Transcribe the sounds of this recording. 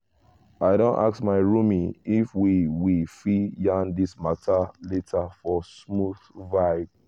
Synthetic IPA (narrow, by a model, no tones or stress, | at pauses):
aɪɾõnta̰ksmaɪɹumĩifwiwifijãndismatʰaletʰafɔsmuθvaɪb